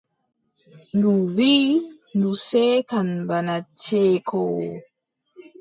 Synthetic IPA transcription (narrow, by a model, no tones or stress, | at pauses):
nuvi | nusekanbanat͡sekʰo